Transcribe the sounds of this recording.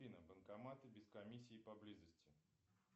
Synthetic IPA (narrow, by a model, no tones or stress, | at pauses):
inəbənkɐmat̪ɨbʲɪskɐmʲisʲːiːpɐblʲizəsʲtʲɪ